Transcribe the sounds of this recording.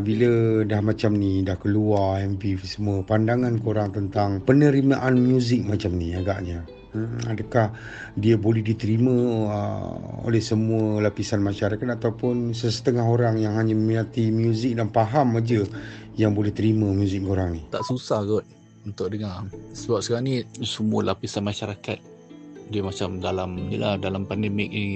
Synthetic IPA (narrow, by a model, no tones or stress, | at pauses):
bilədahmãt͡ʃamnidahkəluarɛmpisəmuəpandaŋankoɾaŋt̪ənt̪aŋpənəɾimaʔanmjuzɪk̚mat͡ʃamniaɡaʔɲa | adəkah | diəbolɛhdit̪əɾimə̃ə̰o̰lɛhsəmuəlapisanmaʃaɾakat̪̚at̪awpʊnsəsə̥t̪əŋaɦoɾaŋjaŋɦaɲaməminat̪imjuzɪk̚danpaɦamad͡ʒəjaŋbolɛht̪əɾimãmjuzɪk̚oɾaŋnit̪aʔsusahɡɔt̪̚ | unt̪ʊʔdəŋasəbap̚səkaanisəmualapisanmaʃaɾakat̪̚ | diəmat͡ʃamdalamɲila̰hdalampandɛmɪk̚ni